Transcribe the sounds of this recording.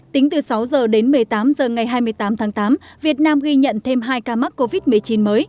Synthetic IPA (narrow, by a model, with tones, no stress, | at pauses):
t̪ï˨˦ŋ̟t̪ɨ˨˩sa˨˦wzəː˨˩ɗe˨˦nmɨ˨˩əjt̪aː˨˦mzəː˨˩ŋa˨˩jɦaː˧jmɨ˧əjt̪aː˨˦mt̪ʰaː˨˦ŋt̪aː˨˦mvi˨˩ət̚naː˧mɣi˧ɲə̰˧˨nt̪ʰe˧mɦaː˧jkaː˧ma˦˥t̚ko˧vi˦˥t̚mɨ˨˩əjt͡ɕi˨˦nməː˨˦j